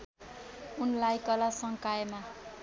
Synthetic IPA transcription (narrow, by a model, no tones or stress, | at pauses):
unlajkʌlasʌŋkaema